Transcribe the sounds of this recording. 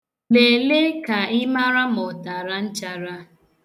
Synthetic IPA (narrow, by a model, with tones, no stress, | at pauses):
le˨le˦ka˨ɪ˦ma˦ɾa˦mɔ˨ta˨ɾa˦n̩˦t͡ʃa˦ɾa˦